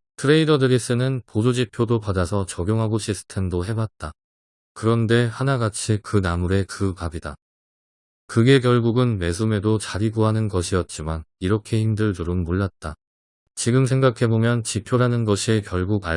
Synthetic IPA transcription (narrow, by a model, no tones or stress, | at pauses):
tʰɯɾe̞idʌdɯɾis͈ɯnɯnpod͡ʑod͡ʑipʰjodopadasʰʌt͡ɕʌɡjoŋɦaɡoɕʰisʰɯ̥tʰe̞mdoɦe̞bat̚t͈a | kɯɾʌnde̞hanaɡat͡ɕʰikɯnamuɾe̞kɯpabida | kɯɡe̞kjʌɭɡuɡɯnme̞s̬ʰume̞dot͡ɕaɾiɡoɦanɯnɡʌɕʰiʌt̚t͡ɕ͈imaniɾʌkʰe̞himdɯɭtɯɾɯnmoɭːat̚t͈a | t͡ɕiɡɯms̬ʰe̞ŋɡakʰe̞bomjʌnt͡ɕipʰjoɾanɯnɡʌɕʰikjʌɭɡuɡa